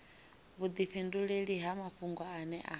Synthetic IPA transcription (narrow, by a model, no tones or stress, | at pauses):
βud̪iɸinduɺeɺiɦamaɸuŋɡwaːnɛʔa